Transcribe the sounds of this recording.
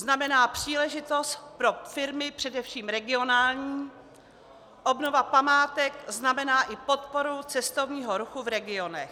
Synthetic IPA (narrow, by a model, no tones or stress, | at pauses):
znamɛnaːpr̝̥iːlɛʒɪt̪o̞st̪pɾo̞fɪɾmɪpr̝̥ɛdɛfʃiːmɾɛɡɪo̞naːlɲiː | ʔo̞bnovapamaːt̪ɛkznamɛnaːʔɪpo̞t̪po̞ɾut͡sɛst̪o̞vɲiːɦoɾuxuvɾɛɡɪo̞nɛx